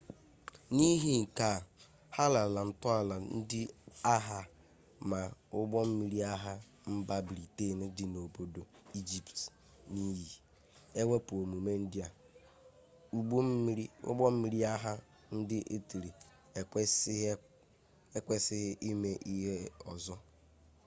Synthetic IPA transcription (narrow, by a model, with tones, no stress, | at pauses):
ni˦ɦi˨ŋ̩˨ka˨ | ha˦la˨la˨n̩˨tʊ˦a˨la˨n̩˦dɪ˦a˦ɦa˨ | ma˨ʊ˦ɡ͡bɔ˦m̩˦mi˦ɾi˦a˦ɦa˦ | m̩˦ba˦bɾi˨te˦˨ne˦dɪ˨no˨bo˨do˨ | i˦d͡ʒi˨pt | ni˦ji˨ | e˦we˦pu˨o˨mu˨me˦n̩˦dɪ˦a˨ | u˦ɡ͡b̩˦ɾi˦ʊ̰˦ɡ͡bɔ˦m̩˦mi˨ɾi˦a˦ɦa˦ | n̩˦dɪ˦ʔe˦ti˨ɾi˨˦ | e˦kʷe˦sɪ˦ɦɪ˦ʔi˦me˦ʔi˦ɦe˦ɔ˨zɔ˦